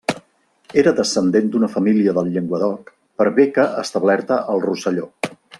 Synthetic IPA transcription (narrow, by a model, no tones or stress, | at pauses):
eɾəðəsənd̪end̪unəfəmiliəðəlˠʎeŋɡwəðɔk | pəɾβekəʔəst̪əβlɛɾt̪əʔəlˠrusəʎo